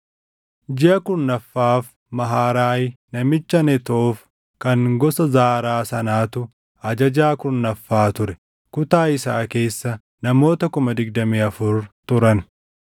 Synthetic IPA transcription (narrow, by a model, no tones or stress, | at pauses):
d͡ʒɪɐkʊɾnːɐfːaːf | mɐɦaːɾaːjnɐmɪt͡ʃːɐnɛt̪of | kɐŋɡɔsɐzaːɾaːsɐnaːt̪ʊ | ɐd͡ʒɐd͡ʒaːkʊɾnːɐfːaːt̪ʊɾɛ̥ | kʊt̪aːɪsaːke̞ːsːɐ | nɐmo̞ːt̪ɐkʊmɐd̪ɪɡ̚d̪ɐmiːɐfʊɾt̪ʊɾɐn